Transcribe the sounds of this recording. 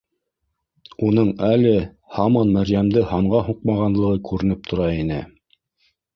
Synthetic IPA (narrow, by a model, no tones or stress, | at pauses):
unɤɴælɘ | hɑmɑnmæɾjæmd̪ɘhɑɴɢɑɦuqmɑʁɑnlˠɤ̆ʁɤkʉɾɘ̆nɘp̚t̪ʰŏɾɑinɘ̰